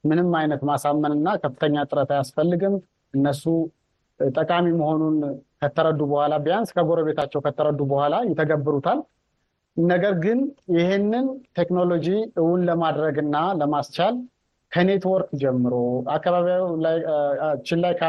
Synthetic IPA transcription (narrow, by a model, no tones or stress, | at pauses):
mɨnɨmːajnət̪masamːənɨnːakʰəfːɨt̪ʰəɲːat̪ʼɨɾət̪ʰajasfəlːɨɡɨm | ʔɨnːəsu | t̪ʼəkʼamiməho̞nunkʰət̪ʰəɾəd̪ːubəhʷalabɨjanskʰəɡo̞ɾəβe̞t̪ʰat͡ʃːɛwkʰət̪ʰːəɾəd̪ːubəhʷalajɛt̪ʰːəɡəbːɨɾut̪ʰal | nəɡəɾɡɨnjɪhenːɨnt̪ʰe̞kno̞lo̞d͡ʒiɨwunləmad̪ɾəɡɨnːaləmast͡ʃal | kʰəne̞t̪wɔɾkʼd͡ʒɛmːɨɾo̞akːaβaβilajt͡ʃːɪlːajkʰ